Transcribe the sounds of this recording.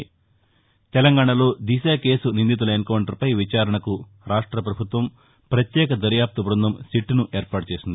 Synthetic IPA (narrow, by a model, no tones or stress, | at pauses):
t̪ɛlɐŋɡaːɳɐlo̞ːd̪isaːke̞ːsunind̪it̪̬ulɐenkɐwɳʈɐɾpɐjʋit͡ʃaːɾɐɳɐku | ɾaːʂʈɾɐpɾɐbʱut̪ʋɐm | pɾɐt̪jɛːk̬ɐd̪ɐɾjaːp̚t̪ubɾund̪ʱɐmsiʈːnuʔeːɾpaːʈut͡ʃe̞ːsind̪i